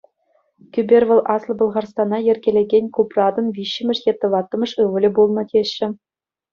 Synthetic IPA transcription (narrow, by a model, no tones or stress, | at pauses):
kʲybʲerʲʋɤ̆lˠʔɑslˠɤ̆bɤ̆lˠʁɑrst̪ɑnɑjɘ̆rʲɡʲelʲeɡʲenʲkuprɑd̪ɤ̆nvʲiɕːɘ̆mʲɘ̆ʂjet̪ːɤ̆ʋɑt̪ːɤ̆mɤ̆ʂɯʋɤ̆lʲɘ̆bulˠnɤ̆tʲeɕːɘ̆